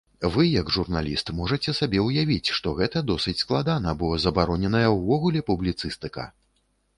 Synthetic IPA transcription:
vɨjɐɡʐurnalʲist̪mɔʐɐt͡sʲɛsabʲɛwjavʲit͡sʲʂt̪ɔɣɛt̪ɐd̪ɔsɨt͡sʲsklˠad̪anɐbɔzɐbaɾɔnʲɛnɐjɐwvɔɣulʲɛpublʲit̪sɨst̪ɨkɐ̰

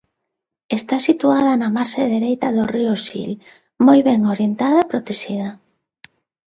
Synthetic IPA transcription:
est̪asit̪uað̞ɐnɐmaɾseðeɾejt̪ɐðoriosḭl | mojβɛŋoɾjent̪aðɐepɾot̪eʃiðɐ

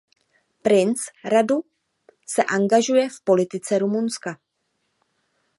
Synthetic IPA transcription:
pɾɪnsɾadu | sɛʔaŋɡaʒujɛfpo̞lɪt̪ɪt͡sɛɾumunska

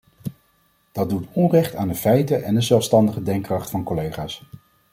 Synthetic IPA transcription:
d̥ɑd̚utɔnrɛχtaːndəfɛjtəʔɛndəzɛlˠfstɑndəχədɛŋkrɑχtfɑnkɔlejχaːs

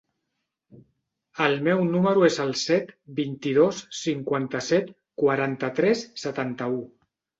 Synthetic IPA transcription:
əlˠmɛwnuməɾuezəlˠsɛt̪bint̪ið̞osːiŋkwant̪əsɛt̪ | kwaɾant̪ət̪ɾɛsːət̪ant̪əu

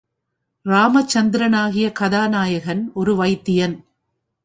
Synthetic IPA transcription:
ɾaːmɐt͡ʃːɐnd̪ɪɾɐnaːɣɪjɐkɐðaːnaːjɐɣɐnɔɾɯʋɐɪt̪ːɪjɐn

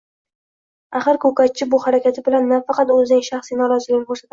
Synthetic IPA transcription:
aχɨɾkʰɵkat͡ʃʰɪbʊhaɾakʲat̪ʰɪbɪlanːafɑqɑt̪ɵzɪnɪŋʃaχsijnɒɾɒzɪlɪɡʲɪnɪkʰɵɾsat̪aɪ

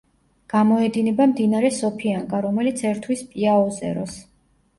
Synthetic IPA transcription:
ɡ̥amɔɛd̪inɛbamd̪inaɾɛsɔpʰiaŋkʼaɾɔmɛlit̪sʰɛɾt̪ʰwispʼiaɔzʼɛ̰ɾɔ̰s

